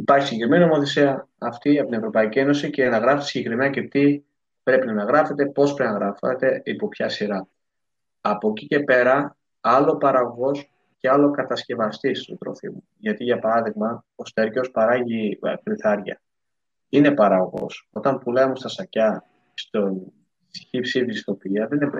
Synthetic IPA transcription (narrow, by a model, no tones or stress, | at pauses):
ipɐɾçisɟkɾimenino̞mo̞θe̞siɐː | ft̪iɐpot̪inevɾo̞pɐicie̞nosicenɐɣɾɐfet̪esiɟekɾimenɐcet̪i | pɾe̞pinɐnɐɣɾɐfe̞t̪e̞po̞speinɐɣɾɐfɐ̰t̪e̞ipo̞pçɐsiɾɐː | po̞cice̞pe̞ɾɐ | ɐlo̞pɐɾɐɣoɣo̞s | ceɐlo̞kɐt̪ɐsce̞vɐst̪ist̪ot̪ɾo̞̰fḭmu | ʝɐt̪iʝɐpɐɾɐðiɣmɐost̪e̞ɾco̞spɐɾɐʝikɾiθɐɾʝɐ̰ | ine̞pɐɾɐɣoɣo̞̰so̞t̪ɐmpulemust̪ɐsɐcɐ | st̪o | çipsivist̪o̞piɐðeninep